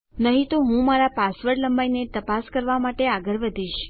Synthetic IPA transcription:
nəɦĩt̪oɦũmaɾapasʋəɾləmbainet̪əpaskəɾʋamaʈeaɡəɾʋəd̪ʱiʃ

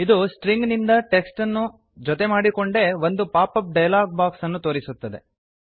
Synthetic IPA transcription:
id̪usʈɾiŋɡnind̪ɐʈeksʈɐnːu | d͡ʒɔt̪e̞maːɽiko̞ɳɖe̞ʋo̞nd̪upaːpɐp̚ɖɐjlaːɡ̚baːksɐnːut̪o̞ːɾisut̪ːɐd̪e

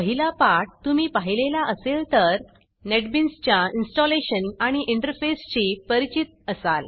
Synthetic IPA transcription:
pəɦilapaʈ̚t̪umiːpaɦilelaʔəselt̪əɾ | neʈbinst͡ɕjainsʈɔleɕənaɽ̃iʔiɳʈəɾfest͡ɕipəɾit͡ɕit̪̚əsal

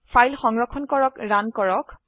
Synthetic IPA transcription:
fʰajlxɔŋɹɔkʰːɔnkɔɹɔkɹankɔɹɔk

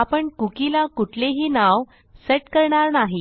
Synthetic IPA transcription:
apəɳkukilakuʈʰleɦiːnaʋ | seʈkəɾɳaɾnaɦi

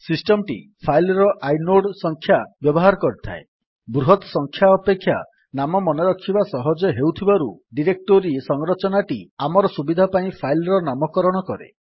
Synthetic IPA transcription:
sisʈɔmʈḭpʰajlɾɔʔajnoɽsɔŋkʰːjabjɔbɔɦaɾɔkɔɾit̪ʰa̰e | bɾuɦɔt̪sɔŋkʰjaɔpekʰːja | namɔmɔnɔɾɔkʰibasɔɦɔd͡ʒɔɦewt̪ʰibaɾuɖiɾek̚ʈoɾiesɔŋɾɔt͡ʃɔnaʈiamɔɾɔsubid̪ʱapaĩpʰajlɾɔnamɔkɔɾɔɽ̃ɔkɔɾḛ

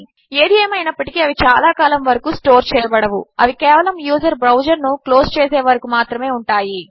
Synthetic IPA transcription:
e̞ːd̪ieːmɐjnɐpːɐʈi̥kiɐʋit͡ʃaːlaːkaːlɐmʋɐɾɐkusʈo̞ːɾt͡ʃɛːjɐbɐɽɐʋuɐʋikɛːʋɐlɐmjuːd͡ʒɐɾbɾɐwd͡ʒɐɾnuklo̞ːst͡ʃeːsɛːʋɐɾɐkumaːt̪ɾɐme̞ːuɳʈaːji

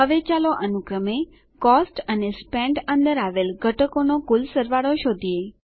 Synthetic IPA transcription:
ɦəʋet͡ʃaloʔənukɾəme | kɔsʈənespɛ̃ɳɖənd̪əɾaʋelɡʱəʈəkonokulsəɾʋaɽoʃod̪ʱie

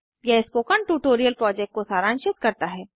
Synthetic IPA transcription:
jɛɦspoːkəɳʈuːʈoːɾijəlpɾɔːd͡ʒɛk̚ʈkosaːɾãːnʃɪt̪kɐɾt̪aɦɛː

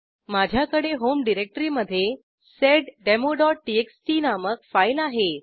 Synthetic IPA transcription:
mad͡ʑʱjakəɽeɦomɖiɾek̚ʈəɾiməd̪ʱːje | seɖɖemoɖɔʈ̚ːieksʈinaməkfajlaɦe

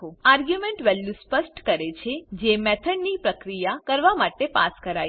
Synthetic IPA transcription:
oaɾɡjumẽɳʈʋɛlːuspəsʈkəɾet͡ʃʰed͡ʒemɛt̪ʰəɖnipɾəkɾijakəɾʋamaʈepa̰skəɾaj

